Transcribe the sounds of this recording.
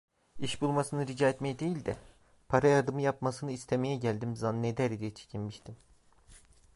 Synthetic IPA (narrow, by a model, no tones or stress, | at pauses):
iʃbulˠmasɯnɯɾid͡ʒaːet̪mejɛd̪e̞jilʲd̪ɛ | pʰaɾajad̪ɯmɯjapmasɯnɯist̪ʰemejɛɟælʲd̪imzanned̪æɾid̪ijɛt͡ʃʰe̥cʰinmiʃt̪ʰim